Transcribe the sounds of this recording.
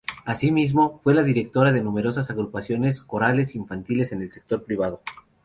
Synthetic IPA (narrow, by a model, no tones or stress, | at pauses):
asimizmo̞fwe̞laðiɾe̞k̚t̪o̞ɾaðe̞nũme̞ɾo̞s̬asaɣɾupasjo̞ne̞sko̞ɾale̞siɱfant̪ile̞se̞ne̞lse̞k̚t̪o̞ɾpɾiβ̞að̞o̞